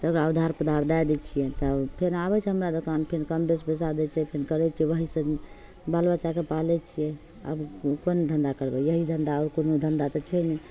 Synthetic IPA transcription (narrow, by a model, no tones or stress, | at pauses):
t̪əɡɾaəwd̪ʱaɾpəd̪ʱaɾd̪ajd̪ɛt͡ʃʰijɛt̪ɔpʰeɾabɛt͡ʃʰɛɦəmɾad̪okanpʰeɾkəmbesbes̬ad̪ɛt͡ʃʰɛpʰenkəɾɛt͡ʃʰiɛʋəɦisə̃ | balbət͡ʃakepalɛt͡ʃʰijɛ | ə̰bkond̪ʱənd̪akəɾbɛjəɦid̪ʱənd̪aɔɾkonod̪ʱənd̪at̪ɔt͡ʃʰɛjnɛ